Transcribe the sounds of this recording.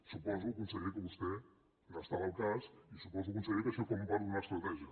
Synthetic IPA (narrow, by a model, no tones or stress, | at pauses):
supɔzukunsəɣikəβust̪ɛ | nast̪aβalˠkasisupɔzuɐk̬unsəɣikəseɾkɔmupaɾðunast̪ɾat̪ɛʒə